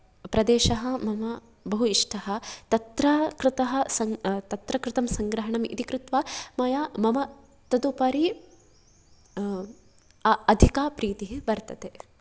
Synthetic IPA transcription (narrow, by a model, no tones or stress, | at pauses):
pɾɐd̪eːʃɐɦɐmɐmɐ | bɐɦuiʂʈʰɐɦɐ̆t̪ɐt̪ɾɐkɾɪt̪ɐɦɐsɐŋt̪ɐt̪ɾɐkɾɪt̪ɐmsɐŋɡɾɐɦɐɳɐmḭt̪ikɾut̪ʋamɐjamɐmɐ | t̪ɐd̪upɐɾi | ɐd̪ʱikaːpɾiːt̪iɦibɐɾt̪ɐt̪e